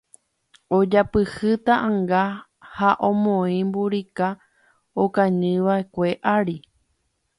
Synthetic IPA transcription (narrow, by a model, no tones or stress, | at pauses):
od͡ʒapɨhɨt̪aʔãŋɡa | haʔõ̞mõĩmbuɾika | okãɲɨ̃ʋae̞kʷe̞ʔaɾi